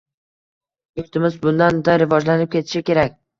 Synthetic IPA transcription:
joɾt̪ɪmɪzbʊnd̪and̪aɾɪvɒd͡ʒlanɪp̚kʲʰe̞t̪ʰɪ̥ʃɪkʲe̞ɾak̚ʲ

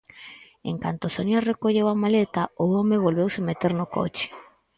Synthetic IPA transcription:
ḛŋkant̪ʊsonarekoʎewamalet̪aʊomɪβ̞olβewsɪmet̪eɾnʊko̰t͡ʃɪ̥

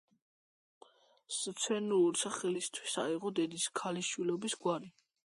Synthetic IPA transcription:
st̪sʰwɛnuuɾsaχɛlist̪ʰwisaiʁɔd̪ɛd̪iskʰaliʃwilɔbisɡwaɾi

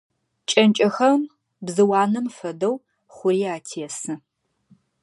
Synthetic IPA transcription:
t͡ʃʼɐnt͡ʃʼɐxɐm | bzɨwɑːnɐmfɐdɐw | χʷʊriːaːtʰijɛsɨ

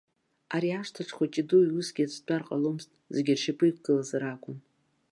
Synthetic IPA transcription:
aɾiaʂtʰaʈ͡ʂʰχʷat͡ʃʼɪduiusɡʲiat͡sʰt͡pʷʼarqʼalomstʼzeɡʲɪrʂapʰʼɨjk̚ʷʰʼɡɨlazaɾakʷʼʊn

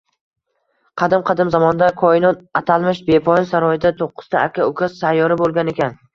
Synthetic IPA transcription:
qʰɑd̪ɪmqʰɑd̪ɪmzamɒnd̪akʰɒɪnɒt̪at̪ʰalˠmɪʃbe̞pʰɒjɪnsaɾɒjɪd̪at̪ʰoqːʊ̥z̥t̪ʰaːkʲʰːaʊkʲʰassajːɒɾɪbolˠɡʲane̞kʲʰan

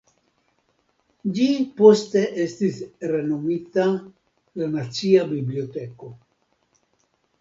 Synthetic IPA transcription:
d͡ʒipost̪eʔest̪isrenomit̪a | lanat͡ʃiabibliot̪eko

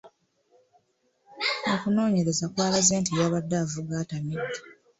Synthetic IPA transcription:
okuno̞ːɲe̞ɾe̞zakwaːlaze̞ːntijaːβadːavuɡaːtamidi̥

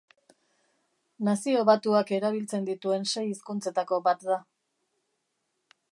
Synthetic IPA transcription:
nasio̞βat̪uake̞ɾaβ̞ilt͡se̞nd̪it̪ue̞nse̞jiskunt͡se̞t̪ako̞bat̪d̪a

